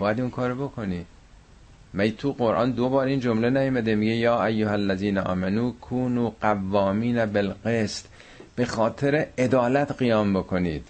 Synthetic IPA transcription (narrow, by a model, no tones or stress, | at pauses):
bɒːjæd̪iŋkʰɒːɾobokʰo̞niːd̪̥ | mæjt̪ʰuɣoɾʔɑ̰ːnd̪obɒːɾiːnd͡ʒomlenæjomæd̪emiɡejɒːʔæjːoɦælːæziːnæʔɒ̰ːmænuːkʰuːnuːɢ̥ævːɒːmiːnæbelɢeːst̪ | b̥e̞xɒːt̪ʰe̞ɾeed̪ɒːlæt̪ɢijɒːmbo̞kʰo̞niːd̪̥